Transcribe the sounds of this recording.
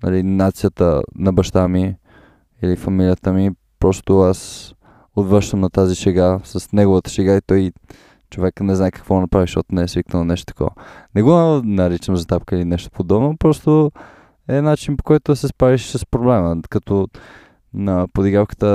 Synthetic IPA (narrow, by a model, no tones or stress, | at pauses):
nɐ̰linat̪sijət̪ə̰nɐbɐʃt̪ami | ilifɐmilijət̪əmi | pɾɔst̪oas | od̪vɾəɾʃt̪əmnɐt̪aziʃɛɡasɐsnɛɡovət̪ə̥ʃɛɡait̪ɔji | t͡ʃovɛknɛznajɛkɐ̥kvɔnɐpɾaviʃɔt̪nɛɛsviknəlˠonɛʃt̪o̥t̪ːkɔ̰və̰nɛɡonɐɾit͡ʃəmzɐt̪apkəilinɛʃt̪o̥pod̪ɔbnopɾɔst̪o | ɛnat͡ʃinpo̥kɔjt̪ʊsɛspɾaviʃsɐspɾoblɛməkɐt̪ɔ | nɐpod̪iɡafkə̥t̪ə